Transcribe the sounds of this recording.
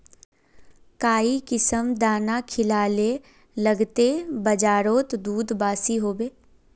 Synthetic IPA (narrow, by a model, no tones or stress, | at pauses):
kaːikɪsəmd̪aːnakʰɪlaːle | ləɡt̪ebɐd͡ʒaːɾoːt̪d̪uːd̪baːsiɦoːbeː